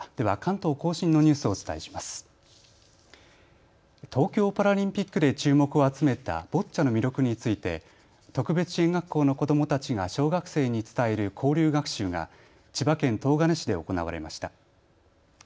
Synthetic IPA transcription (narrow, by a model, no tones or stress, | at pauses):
d̪̥e̞β̞akãnt̪o̞ːko̞ːɕĩnːo̞ɲ̟ɨːsɨo̞ːt͡sɨ̥t̪a̰eɕi̥masɨ̥ | t̪ʰo̞ːkʲo̞ːpaɾaɾʲĩmpʲikːɯ̟d̪e̞t͡ɕɨːmo̞kɯ̟o̞at͡sɨme̞t̪a̰b̥o̞tt͡ɕːano̞mʲiɾjo̞kɯ̟ɲ̟it͡sɨit̪e̞̰ | t̪o̞kɯ̟be̞t͡sɨ̥ɕẽŋɡakːo̞ːno̞ko̞d̪o̞mo̞t̪at͡ɕiɡaɕo̞ːɡakɯ̟̥se̞ːɲ̟it͡sɨ̥t̪aeɾɯ̟kʰo̞ːɾʲɨːɡakɯ̟̥ɕɨːŋa̰ | t͡ɕibakẽ̞nt̪o̞ːɡaneɕid̪e̞o̞ko̞na̰βa̰ɾe̞̰ma̰ɕi̥t̪a